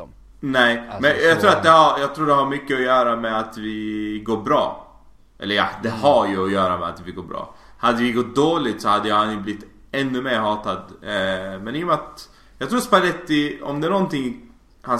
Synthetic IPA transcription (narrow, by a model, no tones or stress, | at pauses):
nɛɪmɛnjɑɡt̪ɾuːɾat̪̚d̪ɛhaɾjɑːɡ̚t̪ʰɾuːɖɛɦaɾmʏkːəɔjœːɾamɛat̪vɪɡoːɾbɾɑ̰ː | ʔɛ̰lːəɾja̰d̪ɛhaɾjəɔjœːɾamɛa̰t̪vɪɡoːɾbɾɑ̰ː | had̪ːəvɪɡɔt̪̚d̪oːlɪt̪sɔhad̪ːəjahanjɵblɪt̪ː | ɛnːɵmeːɾɦɑːt̪ad̪ | mɛnɪjɔmɛat̪ | jɑɡt̪ʰɾuːɾspalɛt̪ːɪɔ̰md̪ɛænɔnt̪ɪŋ | han